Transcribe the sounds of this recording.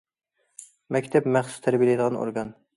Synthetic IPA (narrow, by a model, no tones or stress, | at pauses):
mɛkʲt̪ʰɛpmæχsu̥st̪ʰæɾbijlɛjd̪əʁɑno̰ɾɡɑn